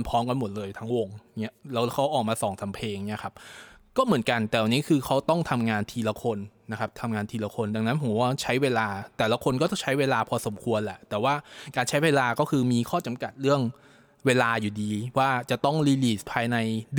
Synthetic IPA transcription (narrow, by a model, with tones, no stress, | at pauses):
npʰɔː˦˥mka˧nmo˨˩t̪̚lɤː˧jt̪ʰa˦˥ŋwo˧ŋni˦˥ɐlɛː˦˥wkʰa˦˥wʔɔː˨˩k̚maː˧sɔː˨˩˦ŋsa˨˩˦mpʰeː˧ŋni˦˥ɐkʰa˦˥p̚kɔː˥˩mɯ˩˦ənka˧nt̪ɛː˨˩wa˧˩niː˦˥kʰɯː˧kʰa˦˥wt̪ɔ˥˩ŋt̪ʰa˧mŋaː˧nt̪ʰiː˧la˧˥kʰo˧nːa˦˥kʰa˦˥p̚t̪ʰa˧mŋaː˧nt̪ʰiː˧la˧˥kʰo˧nda˧ŋna˦˥npʰou˩˦waː˥˩t͡ɕʰa˦˥jweː˧laː˧t̪ɛː˨˩la˧˦˥kʰo˧nkɔː˥˩t̪ɔ˥˩t͡ɕʰa˦˥jweː˧laː˧pʰɔː˧so˨˩˦mkʰu˧ənlɛ̰˨˩t̪ɛː˨˩waː˥˩kaː˧nt͡ɕʰa˦˥jweː˧laː˧kɔː˥˩kʰɯː˧miː˧kʰɔː˥˩t͡ɕa˧mka˨˩t̪̚ɾɯ˥˩əŋ | weː˧laː˧juː˨˩diː˧waː˥˩t͡ɕa˨˩t̪ɔ˥˩ŋɾiː˧liː˨˩spʰaː˧jna˧j